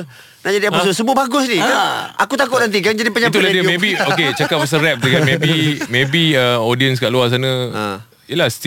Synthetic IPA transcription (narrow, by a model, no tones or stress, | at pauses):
naʔd͡ʒadiapususəbuʊbaɡʊsnikaa̰kut̪akʊtʔ̚nant̪̬ik̬and͡ʒadipəɲãipt̪uladəmẽbioket͡ʃakap̚əs̬əɾɛp̚dəɡanmẽbimẽbiəodiəns̬kaʔluas̬anə̰ | iəlahst̪